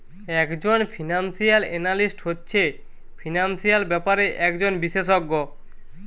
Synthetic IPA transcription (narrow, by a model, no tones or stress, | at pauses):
ɛkd͡ʑonfʰinansijalenalisʈɦotːɕʰe | fʰinansijalbɛpaɾeʔɛkd͡ʑonbiʃeʃoɡːo